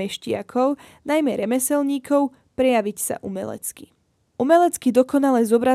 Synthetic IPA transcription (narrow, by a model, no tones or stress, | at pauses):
ɛʃcɪakʰɔʊnajmɛɾɛmɛsɛlɲiːkɔʊ | pɾɛjaʋicsa̰ʔumɛ̰lɛ̰t͡ski | umɛlɛt͡skid̪ɔkɔnalɛzɔbɾa